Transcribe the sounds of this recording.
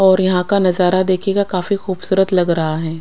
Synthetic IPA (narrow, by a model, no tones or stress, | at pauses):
ɔːɾjɐɦãkanɐzaːɾad̪eːkʰekakaːfixuːbsuːɾət̪lɐɡɾɐɦaɦɛː